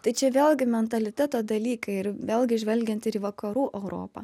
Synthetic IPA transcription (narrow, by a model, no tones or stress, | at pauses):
t̪ɐɪt͡ʃʲɛʋʲeːlʲˠɡʲɪmʲɛnt̪ɐlʲɪt̪ʲæt̪oːd̪ɐlʲiːkɐɪɪɾʋʲeːlʲˠɡʲɪʒʲʋʲɛlʲɡʲɛnt̪ɪɾiːʋɐkɐɾuːʔɛʊɾo̰ːpɐ̰ː